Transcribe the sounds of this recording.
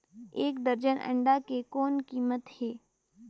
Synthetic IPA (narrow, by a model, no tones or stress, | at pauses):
eːkd̪əɾd͡ʒənʔə̰̃ɳɖakekɔːnkiːmət̪heː